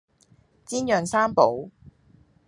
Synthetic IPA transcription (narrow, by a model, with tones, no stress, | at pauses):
t͡siː˥njœː˨ŋsaː˥mpo˨˥w